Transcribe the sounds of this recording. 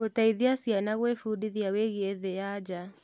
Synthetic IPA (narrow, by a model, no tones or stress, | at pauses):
otaiðiasianaɣwefudiðiaweɣieðejad͡ʒa